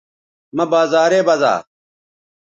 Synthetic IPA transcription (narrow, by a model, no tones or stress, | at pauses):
mɐbaːzaːɾeːbɐza̰ː